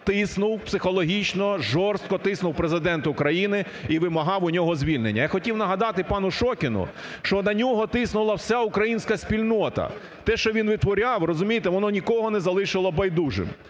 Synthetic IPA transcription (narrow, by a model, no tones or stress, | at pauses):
t̪ɪsnʊwpsɪxɔlˠɔɦʲit͡ʃnɔʒɔrst̪̚kɔt̪ɪsnʊwpɾezɪd̪ɛnt̪ʊkɾɐjinɪ | iʋɪmɐɦɑwʊnʲɔɦɔzʲʋʲilʲnḛnʲːɐjaxɔtʲiwnɐɦɐd̪ɑt̪ɪpɑnʊʃɔkʲɪnʊ̰ | ʃt͡ʃɔnɐnʲɔɦɔt̪ɪsnʊlˠɐwsʲaʊkɾɐjinʲsʲkɐsʲpʲilʲnɔt̪ɐ̰ | t̪ɛʃt͡ʃɔʋʲinʋɪt̪ʋɔɾʲawrɔzʊmʲijt̪ɛʋɔnɔnʲikɔɦɔnɛzɐlˠɪʃɪlˠɐbɐjd̪uʒɪ̰m